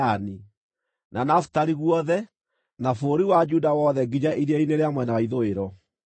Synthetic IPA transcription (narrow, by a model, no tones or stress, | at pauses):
ani | nanaftaɾiɣwɔðɛ | nafoɾiwad͡ʒudawɔðɛɡid͡ʒaʔiɾjaineɾeamwɛnawaiðoeɾɔ